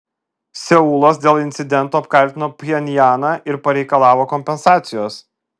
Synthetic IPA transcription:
sʲɛuːlˠoːs̬d̪ʲeːlˠɪnʲt̪sʲɪd̪ʲɛnt̪uːɐp̚kɐlʲt̪ʲɪnoːpʲjɛnʲjɑːnɑʔɪɾpɐɾʲɛɪkɐlˠɑːʋoːkɔmʲpʲɛnsɑːt̪sʲɪjoːs

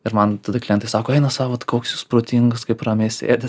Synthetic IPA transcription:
ɪɾmɐnt̪ɐd̪ɐklʲɛnt̪ɐɪsɑːkoːɛɪnɐsɑːʋɐt̪koːksʲjuspɾoːt̪ʲiŋɡɐskɐɪpɾɐːmʲeːsʲḛːd̪ʲɐs

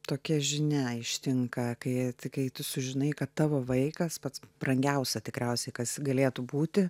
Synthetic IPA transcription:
t̪oːkʲɛʒʲɪnʲɛɪʃʲt̪ʲɪŋkɐkɐɪt̪ʲɪkɐɪt̪ʊsʊʒʲɪnɐɪkɐt̪t̪ɑːʋoːʋɐɪkɐspɐt̪sb̥rɐŋʲɡʲɛʊsʲɛt̪ʲɪkɾʲɛʊsʲɛɪkɐsɡɐlʲeːt̪ʊbuːt̪ʲɪ

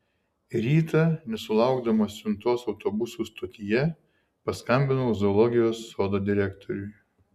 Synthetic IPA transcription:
ɾʲiːt̪ɐˑnʲɛsʊlˠɑˑʊɡd̪ɐmoːsʲʊnt̪oːsɒʊt̪obʊsuːst̪oːt̪ʲijɛ | pɐskɐmʲbʲɪnoʊzoːlˠɔɡʲɪjoːsːoːd̪oːd̪ʲɪɾʲækt̪ʰɔɾʲʊɪ

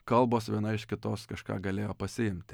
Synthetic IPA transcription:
kɐlˠboːsʋʲiɛnɐɪʃkʲɪt̪oːskɐʃkɑ̰ːɡɐlʲeːjoːpɐsʲɪɪmʲt̪ʲɪ

